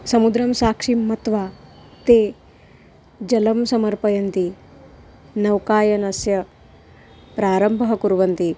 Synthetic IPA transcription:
sɐmud̪ɾɐmsaːkʂimːɐt̪ʋaːt̪eː | d͡ʒɐlɐmsɐmɐɾpɐjɐnt̪i | nɐwkaːjɐnɐsjɐ | pɾaːɾɐmbʱɐɦɐkuɾʋɐnt̪i

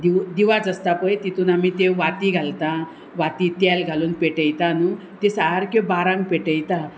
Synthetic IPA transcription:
d̪id̪iʋad͡zəst̪apəjt̪it̪uːnamit̪eʋat̪iɡʱalt̪ã | ʋat̪it̪alɡʱaluːnpeʈəjt̪anu | t̪esaɦaɾkebaɾãŋɡ̚peʈəjt̪a

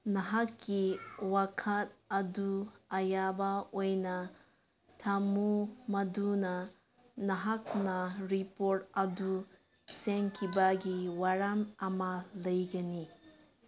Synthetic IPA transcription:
nɐɦakːiwakʰɐt̚ɐduɐjabɐojnɐ | tʰamumɐdunɐ | nɐɦak̚nɐɾipoɾtɐdu | seŋkʰibɐɡiwaɾamɐmɐlɐjɡɐni

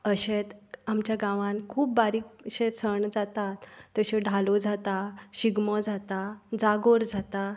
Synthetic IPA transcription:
əɕet̪amt͡ɕjaɡãʋãnkʰuːp̚baɾikɕet͡sʰəɳd͡zat̪at̪ːəɕeɖʱalod͡zat̪aɕiɡmɔd͡zat̪ad͡zaɡoɾd͡zat̪a

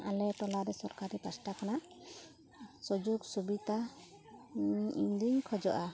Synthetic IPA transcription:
ʔa̰lɛʈɔlaɾɛsɔɾkaɾipasʈakanaʔ | sɔd͡ʒuksubit̪a | iɲd̪uɲkʰɔd͡ʒɔʔa

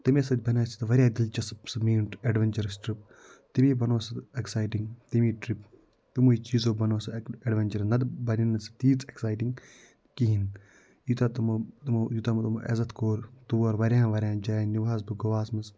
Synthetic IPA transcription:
t̪imesɐt̪̚ʲbɐnaːsi̥t̪ɨʋɐɾʲjaːd̪ilt͡ʃɐspsɐmiːɳʈeɖʋɐnt͡ʃɐɾɐsʈɾip̚ | t̪imiːbɐnoːsɐeksaːjʈiŋt̪imiːʈɾip̚ | t̪imuit͡ʃiːzoːbɐnoːsɐeɖʋɐnt͡ʃɐɾnɐd̪bɐninɐsɐ̥t̪iːt͡seksaːjʈiŋɡ | kiɦin | jut̪at̪mt̪umjut̪amɐt̪umʔḛzɐt̪koːɾt̪uʋoɾʋɐɾʲjãːʋɐɾʲjãːd͡ʒaːniʋaːsbɨɡɐʋaːsmɐs

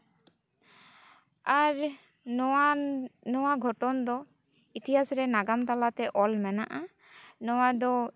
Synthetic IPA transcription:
aɾ | nɔwaɡʱɔʈɔnd̪ɔ | it̪iɦasɾɛnaɡamt̪alat̪ɛʔɔlmɛnaʔa | nɔwad̪ɔ

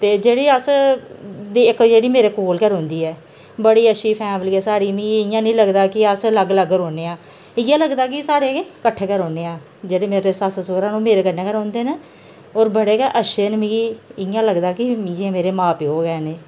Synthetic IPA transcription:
t̪eːd͡ʒeːɽiːəs | d̪iːɪkd͡ʒeːɽiːmeːɾeːkoːlkəɾɦõːnd̪iːɛː | bəɽiːəʃʰiːpʰɛ̃ːbəliːɛːsaːɽiːmĩːɪjãːnĩːləɡd̪aːkɪəsləɡləɡɾoːneːãː | ɪ̃jãːləɡd̪aːkɪsaːɽeːkeːkəʈʰːeːkəɾɦoːneːãː | d͡ʒeːɽeːmeːɾeːsəssoːɾãːnũːmeːɾeːkənːẽːkəɾɦõːnd̪eːne | oːɾbəɽeːkɛʔəʃeːnmĩɪjãːləɡd̪aːkɪmid͡ʒẽːmeːɾeːmãːpiːɦoːɡɛːneː

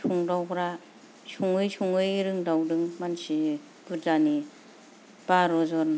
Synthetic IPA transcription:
sʰuŋdawɡɾa | suŋɯjsʰuŋɯjɾɯŋdawdɯŋmansi | b̥ɯzani | b̥aɾɔzɔɾ

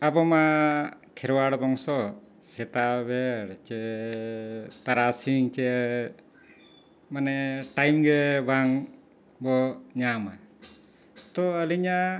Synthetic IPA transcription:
abɔmakʰɛɾwaɽbɔŋsɔ | sɛt̪abɛɽt͡ʃɛ | t̪aɾasiŋt͡ʃɛ | manɛʈajmɡɛbʱaŋ | bɔɲama | t̪ɔəliɲa

